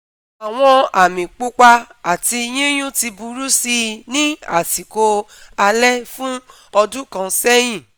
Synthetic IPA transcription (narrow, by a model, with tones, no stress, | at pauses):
a˨w̃ɔ̃˧a˨mĩ˨k͡po˦k͡pa˧a˨ti˧j̃ĩ˦j̃ũ˦ti˧bu˧ɾu˦si˧nĩ˦a̰˦˨si˨ko˧ | a˧lɛ˦fũ˦ | ɔ˧dũ˦kã˧sɛ˦j̃ĩ˦˨